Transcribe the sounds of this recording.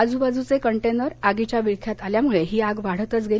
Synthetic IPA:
ad͡zubad͡zut͡sekəɳʈenəɾaɡit͡ɕjaʋiɭkʰjat̪aljamuɭeɦiːaɡʋaɽ̤ət̪ət͡sɡʱe

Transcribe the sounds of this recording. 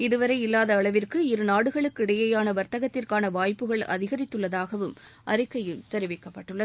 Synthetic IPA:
ɪðɯʋɐɾɐɪɪlːaːðɐːɭɐʋɪrkɯɪɾɯnaːɽɯɣɐɭɯkːɪɽɐjɐjaːnɐʋɐɾt̪ɐɣɐt̪ːɪrkaːnɐʋaːjpːɯɣɐɭɐ̰ðɪɣɐɾɪt̪ːɯɭːɐðaːɣɐʋɯmʔɐ̰ɾɯkːɐjɪlt̪ɛɾɯʋɪkːɐpːɐʈːɯɭːɐ

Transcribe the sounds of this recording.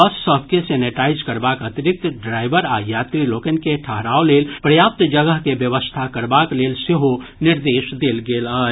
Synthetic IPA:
əssəb̚ʱkeseneʈaid͡ʒkəɾbakət̪iɾik̚t̪ɖɾaɪbəɾajat̪ɾilokənkeʈʰəɦɾawlelpɾəjap̚t̪d͡ʒəɡəɦkebjəbəst̪ʰakəɾbaklelseɦo | niɾd̪esd̪elɡelə

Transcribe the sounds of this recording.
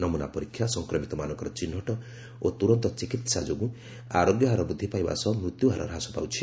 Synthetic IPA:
nɔmuna̰pɔɾikʰjasɔŋkɾɔmit̪ɔmanɔŋkɔɾɔt͡ʃinːɔʈɔ | ot̪uɾɔnt̪ɔt͡ʃikit̪sad͡ʒoɡũ | aɾoɡjɔɦaɾɔbud̪ʱːipajba̰sɔmɾut̪juɦaɾɔ̰ɾɦasɔpa̰wt͡ʃʰi̥

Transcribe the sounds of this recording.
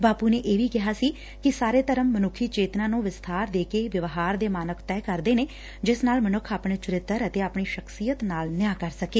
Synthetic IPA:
baːpuːneːʔeːʋiːkɪɦaːsiː | kɪsaːɾeːt̪əɾəmːənʊkʰːiːt͡ʃeːt̪nãːnũːʋɪst̪ʰaːɾd̪eːkeːʋɪʋɦaːɾd̪eːmaːnəkʰt̪ɛːkəɾd̪eːneː | d͡ʒɪsnaːlmənʊkʰaːpɳeːt͡ʃʊɾɪt̪ːəɾət̪eːaːpɳiːʃəksiːjət̪naːlnɪjaːkəɾsəkeː

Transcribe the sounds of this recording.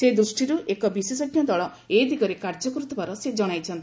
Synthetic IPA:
sed̪ɾusʈiɾuʔekɔbisesɔɡnjɔd̪ɔɭɔ | ed̪iɡɔɾekaɾd͡ʒɔkɔɾut̪ɔbaɾɔsed͡ʒɔɽ̃ajt͡ʃʰɔnt̪i̥

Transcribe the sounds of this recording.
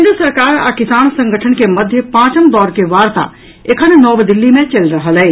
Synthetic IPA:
nd̪ɾəsɐɾkaːɾa̰kɪsaːnsɐ̃ŋɡʱəʈʰənkemɐd̪ʱjəpãːt͡ʃəmd̪ɔːɾkeʋaːɾt̪a̰ | ekʰənnɔːbd̪ɪlːimẽt͡ʃɐlɾəɦəlɦɛː

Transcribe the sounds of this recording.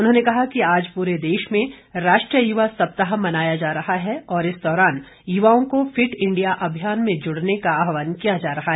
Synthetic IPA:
ʊnɦõːnekɐɦakiaːd͡ʒpuːɾed̪eːʃmẽɾaːʃʈɾijəjuʋasɐp̚t̪əɦamɐnaːjad͡ʒaːɾɐɦaɦɛɔːɾɪsd̪ɔːɾaːn | jʊʋaːõkofɪʈɪ̃ɳɖijaʔɐbʱjaːnmẽd͡ʒʊɽnekaːbɦʋaːnkijad͡ʒaːɾɐɦaɦɛː

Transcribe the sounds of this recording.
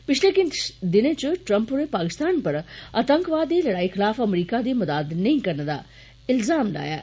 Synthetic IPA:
pɪt͡ʃʰlekɪnd̪ɪnẽt͡ʃʈɾɐmpɾepaːkɪst̪aːnpɐɾət̪əŋkʋaːd̪iːlɐɽaːixʰɪlaːfɐmɾiːkad̪iːmɐd̪aːd̪nɐĩkɐɾnd̪a̰ː | ɪlzaːmla̰ːja̰ː

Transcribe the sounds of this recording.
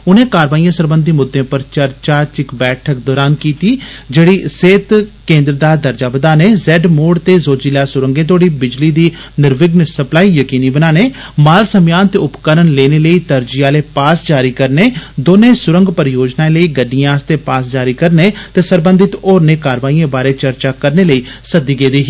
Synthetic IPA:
ʊnẽːkaːɾʋaːijãːsəɾbənd̪iːmʊd̪ʱːẽːpəɾt͡ʃəɾt͡ʃaːt͡ʃɪkbɛːʈʰək̚d̪ɔːɾaːnkiːt̪iːd͡ʒeːɽiːseːt̪kẽːnd̪ɾd̪aːd̪əɾd͡ʒaːbəd̪aːneːzɛːɖmoːɖt̪eːzoːd͡ʒilaːsʊɾəŋɡẽːt̪̬ʰoːɽiːbɪd͡ʒliːd̪iː | nɪɾʋɪɡnsəplaːiːjəkiːniːbənaːneː | maːlsəmjaːnt̪eːʊpkəɾənleːneːləiːt̪əɾd͡ʒɪjaːleːpaːsd͡ʒaːɾiːkəɾneːd̪oːnẽːsʊɾə̃ŋɡpəɾɪjoːd͡ʒnaːeləiːɡəɖijãːst̪eːpaːsd͡ʒaːɾiːkəɾneːt̪eːsəɾbə̃nd̪ɪt̪oːɾneːkaːɾʋaːijẽːbaːɾeːt͡ʃəɾt͡ʃaːkəɾneːləiːsəd̪iːɡeːd̪iːɦ

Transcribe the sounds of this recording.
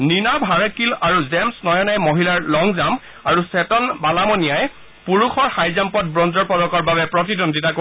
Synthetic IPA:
ninabʱaɹakilaɹuzɛmsnɔjɔnajmoɦilaɹlɔŋzam | aɹusɛtɔnbalamɔnijaj | puɹuxʰɔɹxajzampɔt̚bɹɔnzɔɹpɔdɔkɔɹbabɛpɹɔtidɔnditako

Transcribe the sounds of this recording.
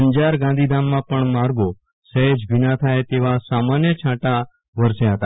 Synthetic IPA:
ɲd͡ʒaɾɡãnd̪ʱid̪ʱamːãpəɳmaɾɡo | səed͡ʒbinat̪ʰajt̪eʋasamanjət͡ʃʰãʈa | ʋəɾʃeɦət̪a

